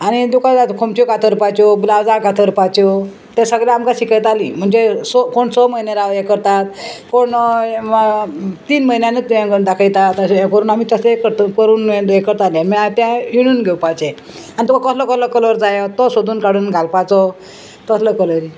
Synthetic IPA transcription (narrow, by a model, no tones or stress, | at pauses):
añid̪ukat̪at̪kʰomt͡ɕokat̪ʰəɾpat͡ɕɔblawd͡zakat̪ʰəɾpat͡ɕɔ | t̪esəɡɭjaamkaɕikəjt̪alim̤əɳd͡zesɔkoɳsɔməineɾaʋjekəɾt̪at̪koɳ | t̪iːnməinjanet̪ujãkəɾund̪akʰəjt̪at̪asekəɾuːnamit̪əsekəɾt̪kəɾuːnẽd̪ekəɾt̪alemiat̪jãjuɽ̃uːnɡʱewpat͡ɕe | anit̪ukʰakəsləkələkələɾd͡zajɔt̪ɔsod̪uːnkaɽuːnɡʱalpat͡sɔ | t̪əsʰləkələɾi